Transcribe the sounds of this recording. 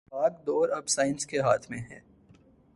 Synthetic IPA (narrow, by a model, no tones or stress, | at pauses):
aːkd̪oːɾɐbsaːɪnskeɦaːt̪ʰmẽɦɛ̰̃ː